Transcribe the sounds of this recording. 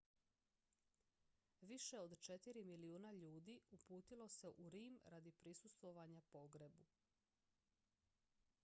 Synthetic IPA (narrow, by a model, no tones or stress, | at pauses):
ʋiʃe̞od̪t͡ʃe̞t̪iɾimiliuːnaʎuːd̪iupuːt̪ilo̞se̞ʔuɾiːmɾad̪ipɾisust̪ʋo̞ʋaɲapo̞ɡɾebu